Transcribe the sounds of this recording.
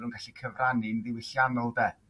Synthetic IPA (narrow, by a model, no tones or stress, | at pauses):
ɾənɡaɬikʰəvranɪnðɪwɪɬjanɔlˠdɛ